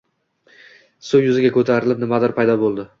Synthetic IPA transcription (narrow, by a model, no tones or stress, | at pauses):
sowjʊzɪɡʲakʰɵt̪ʰaɾɪlɪp̚nɪmad̪ɪɾpʰajd̪ɒbolˠd̪ɪ